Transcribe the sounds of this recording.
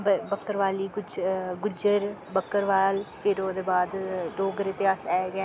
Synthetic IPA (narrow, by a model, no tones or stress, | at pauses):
bbəkːəɾʋaːliːɡʊd͡ʒɡʊd͡ʒəɾbəkːəɾʋaːlfʰɪɾoːd̪eːbaːd̪ɖoːɡəɾet̪ɪaːsɛːɡɛː